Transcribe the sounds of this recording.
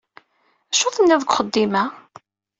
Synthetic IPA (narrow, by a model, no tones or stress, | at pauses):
æʃoθˤənːɪðˤəɡʷχəd̪ːimæ